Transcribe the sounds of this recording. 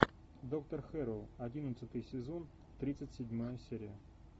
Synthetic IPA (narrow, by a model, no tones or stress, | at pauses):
d̪ok̚t̪ərxɛɾəlˠɐdʲinət̪sət̪ɨjsʲɪzon | t̪ɾʲit̪sətʲsʲɪdʲmajəsʲeɾʲɪjə